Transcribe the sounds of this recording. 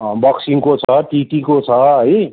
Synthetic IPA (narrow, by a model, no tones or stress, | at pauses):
bʌksiŋkot͡sʰʌʈiʈikot͡sʰʌɦəj